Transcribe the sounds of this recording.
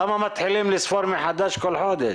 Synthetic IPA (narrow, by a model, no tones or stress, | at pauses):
ʔamːamat̪ħɪlːiːmlɪsˤfɑːɾmɪħad̪aːʃkʊlːħoːd̪ɪ